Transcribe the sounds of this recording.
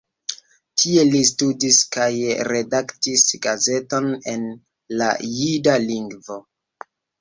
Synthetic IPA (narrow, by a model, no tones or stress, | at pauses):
tʰie̞listudiskajɾe̞daktisɡaze̞to̞ne̞̰n | la̰jidaliŋɡvo̞